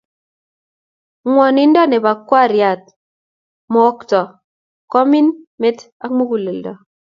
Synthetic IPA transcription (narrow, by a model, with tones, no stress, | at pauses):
ŋwɔ˨ni˦n˦dɔ˦ne˨ba˨kwa˦˨ɾja˨t̚ | mɔ˨˦ktɔ˨ | kɔ˦mi˦nme˦ta˦kmo˦ku˨le˨ldɔ˨